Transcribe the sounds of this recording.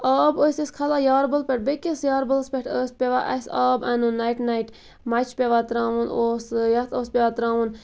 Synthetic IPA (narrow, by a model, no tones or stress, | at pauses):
aːboːseskʰɐlajaːɾbɐlpʲɐʈ̚bekʲesjaːɾbɐlspʲeʈʰəːspʲeʋaʔɐsaːbɐnunajʈnajʈ | mɐt͡ʃʰpʲeʋat̪ɾaːʋunoːsjɐt̪ʰoːspʲeʋat̪ɾaːʋun